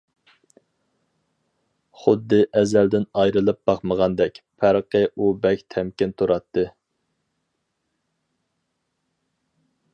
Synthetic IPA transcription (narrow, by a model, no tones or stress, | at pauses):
χʊd̪ːɨʔɛzæld̪ɪnɑjɾɨlˠɨp̚b̥ɑχməʁɑnd̪ɛkʲpʰæɾqʰəʔubɛkʲt̪ʰɛmkʲɪnt̪ʰuɾɑt̪ʰːɨ